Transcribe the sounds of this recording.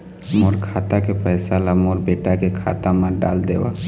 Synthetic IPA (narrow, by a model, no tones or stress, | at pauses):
moːɾkʰaːt̪akepɛːsalamoːɾbeːʈakekʰa̰ːt̪ãmaɖa̰ːld̪ḛːʋa̰ː